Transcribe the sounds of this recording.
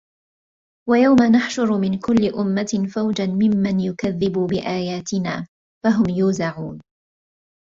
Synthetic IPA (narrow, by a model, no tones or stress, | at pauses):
wajawmanaħʃʊɾmɪnkʊlːɪʔʊmːaɪfawd͡ʒanmɪmːanjʊkaðːɪbubɪʔaːjaːt̪ɪnaː | faɦʊmjuːzaʕuːn